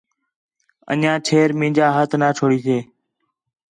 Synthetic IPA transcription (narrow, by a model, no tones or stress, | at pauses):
ə̰nãːt͡ʃʰeːɾmĩːd͡ʒaːɦət̪ʰnaːt͡ʃʰoːɽiːseː